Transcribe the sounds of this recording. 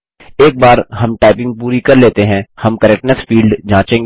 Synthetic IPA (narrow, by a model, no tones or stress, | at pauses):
eːk̚baːɾɦɐmʈaːɪpɪ̃ŋɡ̚puːɾikɐɾleːt̪eɦɛ̃hɐmkəɾɛk̚ʈnəsfiːlɖd͡ʒãːt͡ʃẽːŋɡ